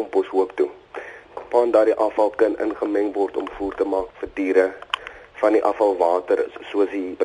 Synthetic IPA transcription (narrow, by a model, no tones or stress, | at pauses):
mpɔsɦuəktu | pɑːndɑːɾdiʔɐfɐlˠkənʔə̰nχəmɛŋvɔrtɔmfuːrtəmɑːkfərtiːɾə | fɐndiʔɐfɐlˠvɑːtərsuəsdib